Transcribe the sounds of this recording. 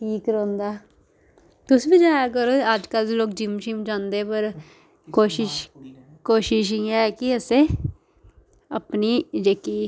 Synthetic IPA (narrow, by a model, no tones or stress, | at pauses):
ʈʰiːkɾõːnd̪aː | t̪ʊsʋid͡ʒaːjak̬əɾoːəd͡ʒkalloːk̚d͡ʒɪmʃimd͡ʒãːnd̪eːpəɾ | koːʃɪʃ | koːʃɪʃ̬iãɛːkɪəseː | ə̰pniːd͡ʒeːkiː